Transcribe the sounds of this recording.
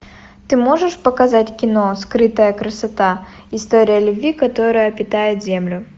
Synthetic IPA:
t̪ɨmo̞ʐɨʂpəkɐzatʲkʲɪnoskɾɨt̪əjəkɾɐsɐt̪a | ɪst̪oɾʲɪjəlʲʊbʲvʲikɐt̪o̞ɾɨjəpʲɪt̪ajɪt̪zʲemlʲʊ

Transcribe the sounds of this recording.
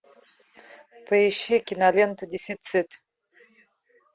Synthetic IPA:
pʰaiʃikʲinalent̪ʰud̪efit͡sʰitʼ

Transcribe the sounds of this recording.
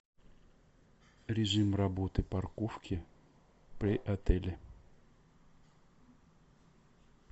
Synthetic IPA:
ɾʲɪʐɨmrɐbot̪ɨpɐrkofkʲɪ | pɾʲɪʔɐt̪ɛlʲɪ

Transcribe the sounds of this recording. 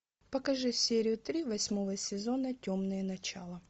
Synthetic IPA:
pɐkɐʐɨsʲeɾʲɪjʊt̪ɾʲivɐsʲmovəsʲɪzo̞nətʲomnɨjənɐt͡ɕa̰lˠə

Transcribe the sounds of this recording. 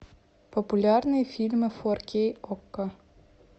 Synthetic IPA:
pɔpʊlʲarnɨjfʲilʲmɨfɔrkʲejɔkːɐ

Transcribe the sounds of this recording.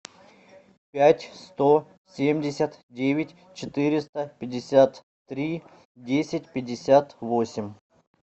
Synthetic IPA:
pʲætʲst̪o | sʲemʲdʲɪsʲət̪dʲevʲɪtʲ | t͡ɕɪt̪ɨɾʲɪst̪əpʲɪdʲɪsʲat̪ː | ɾʲi | dʲesʲɪtʲpʲɪdʲɪsʲat̪vosʲɪmʲ

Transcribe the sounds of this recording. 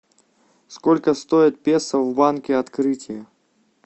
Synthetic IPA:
skɔlʲkɐst̪ɔjɪt̪̚pʲɛsɐwbankʲɛat̪kɾɨtʲɪjɐ

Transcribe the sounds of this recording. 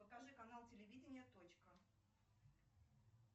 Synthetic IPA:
ɐkaʐɨkɐnalˠtʲɪlʲɪvʲidʲɪnʲɪjət̪ot͡ɕkə

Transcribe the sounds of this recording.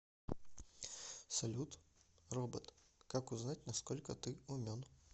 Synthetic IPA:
sɐlʲut̪robət̪kakʊznatʲnɐskolʲkət̪ɨʊmʲon

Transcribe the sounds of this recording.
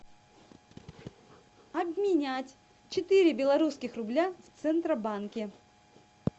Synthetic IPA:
ɐbmʲɪnʲætʲ | t͡ɕɪt̪ɨɾʲɪbʲɪlˠɐɾuskʲɪxrʊblʲaft̪sɛnt̪ɾəbankʲɪ

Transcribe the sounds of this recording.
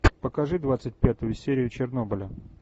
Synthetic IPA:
pəkɐʐɨd̪vat̪sɨt̚ʲpʲat̪ʊjʊsʲeɾʲɪjʊt͡ɕɪrno̞bəlʲə

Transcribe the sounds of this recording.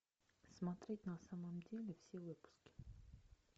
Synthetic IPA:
smat̪ɾʲet̪ʲnasamamd̪ʲelʲɪfsʲewɨpu̥skʲɪ̥

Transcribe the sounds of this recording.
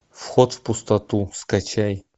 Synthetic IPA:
fxot̪fpʊst̪ɐt̪uskat͡ɕaj

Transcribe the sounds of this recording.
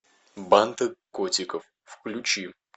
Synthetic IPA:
bant̪ɨkotʲɪkəf | fklʲʊt͡ɕi

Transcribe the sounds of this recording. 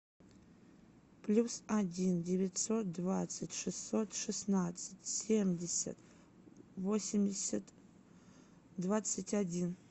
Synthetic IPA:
plʲusadʲindʲevʲɪtʲso̞t̪̚d̪vat̪sɨtʲʂɨsːo̞t̪ʂɨsnat̪sɨtʲsʲe̞mdʲesʲɐ̰t̪ | vo̞sʲɪmdʲɪsʲat̪ | dvat̪sɨtʲʰadʲin

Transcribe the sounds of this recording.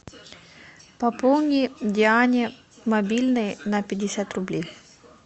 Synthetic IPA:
pɐpolˠnʲidʲɪanʲɪ | mɐbʲilʲnɨjnɐpʲɪdʲɪsʲat̪rʊblʲej

